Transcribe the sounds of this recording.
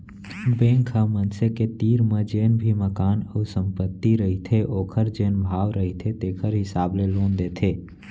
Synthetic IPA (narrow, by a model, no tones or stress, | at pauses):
bẽŋkʰəmənseket̪iːɾməd͡ʒeːnbʱiməkaːnəusə̃mpət̪ːiɾəɦit̪ʰeʔoːkʰəɾd͡ʒeːnbʱaːʋɾəɦit̪ʰet̪eːkʰəɾɦɪsaːbleloːnd̪et̪ʰe